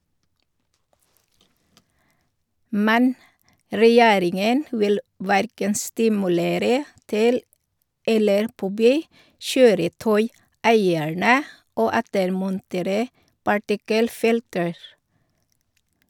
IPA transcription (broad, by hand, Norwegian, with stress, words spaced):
ˈmɛn ɾɛˈjeːɾɪŋən ˈʋɪl ˈʋæɾkən stɪmʉˈleːɾə ˈtɪl ˈɛləɾ ˈpɔbyː ˈʃøːɾəˌtœʏˌæɪæɳə ˈoː ˈɛtəɾmɔnˌteːɾə pɑˈʈɪkəlˌfɪltəɹ